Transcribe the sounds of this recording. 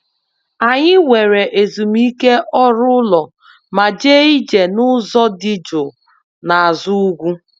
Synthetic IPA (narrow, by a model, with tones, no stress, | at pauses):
a˨ɲɪ˦we˨ɾe˨ʔe˨zu˨m˦i˦ke˦ʔɔ˦ɾʊ˦lɔ˨ | ma˨d͡ʒe˦i˦d͡ʒe˨nʊ˦zɔ˦dɪ˦d͡ʒo˨ | na˨a˨zu˦u˦ɡʷu˦